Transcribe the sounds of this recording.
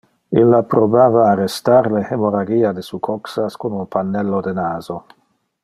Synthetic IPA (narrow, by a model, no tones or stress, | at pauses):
ilːapɾobaːvaːrest̪aɾlehemoɾaɡiːad̪esukʰoksaskonunpʰanːelːod̪enaːzo